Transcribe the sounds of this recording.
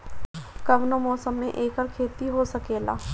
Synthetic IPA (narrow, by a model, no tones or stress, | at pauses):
kɐʋnomɔːsəmːẽʔeːkəɾkʰeːt̪iɦosɐkeːla̰ː